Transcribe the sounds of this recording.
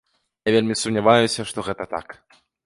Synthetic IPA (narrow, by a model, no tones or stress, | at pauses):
javʲelʲmʲisumnʲavajusʲɐʂt̪ɔɣɛt̪ɐt̪a̰k